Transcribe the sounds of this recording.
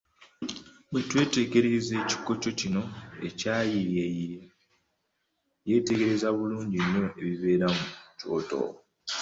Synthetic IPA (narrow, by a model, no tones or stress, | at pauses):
bwetwe̞ːte̞ɡe̞ɾeze̞ːci̥ko̞t͡ʃo̞cino̞e̞caːjijej | je̞te̞ɡe̞ɾe̞zaβuluːɲɟinːo̞e̞βiβe̞ːɾamuco̞̰ːto̰